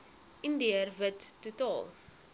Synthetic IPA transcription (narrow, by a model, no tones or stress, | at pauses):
ʔindiərvətːutɑːlˠ